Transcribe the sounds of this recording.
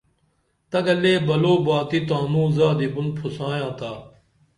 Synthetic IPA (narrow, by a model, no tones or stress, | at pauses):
t̪ɐɡɐleːbɐloːbaːt̪iːt̪ãːnũːzaːd̪ibʊnpʰʊsãːjãːt̪ʰaː